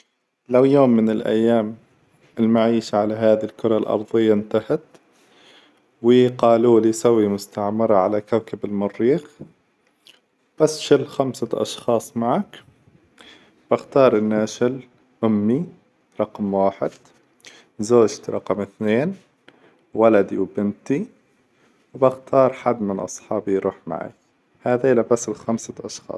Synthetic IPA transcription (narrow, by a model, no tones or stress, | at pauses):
lawjoːmːɪnɪlʔa̰jːaːm | ɪlmaʕiːʃaʕalaɦaːðilkʊɾˤɑlʔɑ̰ɾˤðˤɪjːaʔnt̪ahat̪ | wɪqɑːluːlisawːimʊst̪aʕmɪɾˤɑʕalakawkabɪlmʊrːiːx | b̥asʃɪlxamsaʔɑ̰ʃxɑːsˤmaʕak | b̥axt̪ɑːɾˤʔɪnːaːʃɪl | ʔʊmːi | ɾˤɑqmwaːħɪd̪̥ | zoːd͡ʒt̪ɾˤɑ̰qɑmɪθneːn | walad̪iwbɪnt̪i | wbaxt̪ʰɑːɾˤħad̪ːmɪnʔɑ̰sˤħɑːbijɾṵːħma̰ʕa̰k | haːðaʔlabasɪlxamsaʔɑʃxɑ̰ːsˤ